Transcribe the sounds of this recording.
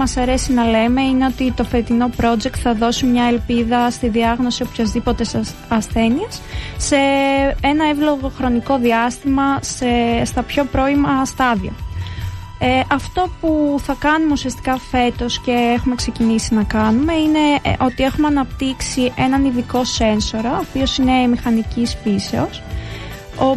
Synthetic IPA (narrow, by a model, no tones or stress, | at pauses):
mɐsɐɾe̞sinɐle̞me̞ineo̞t̪it̪o̞fe̞t̪ino̞pɾo̞d͡ʒe̞k̚t̪θɐðo̞simɲɐelpiðɐst̪iðiɐɣno̞siopçɐzðipo̞t̪e̞s | ɐsθe̞niesːe̞enɐevlo̞ɣo̞xɾo̞niko̞ðiɐst̪imɐsest̪ɐpço̞pɾo̞imɐst̪ɐðio̞̰ | ʔɐft̪o̞puθɐkɐnumeusiɐst̪i̥kɐfe̞t̪o̞sce̞exume̞kse̞cinisinɐkɐnume̞ine̞ʔo̞t̪ie̞xumeɐnɐpt̪iksiʔe̞nɐniðiko̞se̞nso̞ɾɐopio̞sine̞mixɐnicispise̞o̞s | o